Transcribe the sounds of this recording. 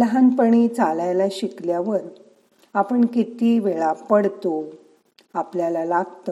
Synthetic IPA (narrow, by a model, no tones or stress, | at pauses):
ləɦanpəɳ̃it͡salajlaɕikljaʋəɾ | apəɳkit̪iʋeɭapəɽt̪o | apljalalaɡt̪ə